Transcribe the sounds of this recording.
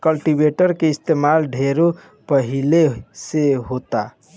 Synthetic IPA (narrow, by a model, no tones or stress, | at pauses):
kəlʈibeʈəɾkeist̪emalɖʱeɾo | pəɦileseɦot̪a